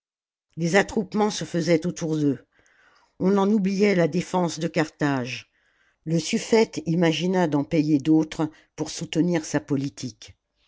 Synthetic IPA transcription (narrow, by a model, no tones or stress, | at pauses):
lezat̪χupmɑ̃səfəzɛt̪ot̪ʰuʁd̪ø | ɔ̃nɑ̃nublijɛlad̪efɑ̃sd̪əkaʁt̪aʒ | ləsyfɛt̪imaʒinad̪ɑ̃pejed̪ot̪χ | puʁsut̪niʁsapɔlit̪ʰik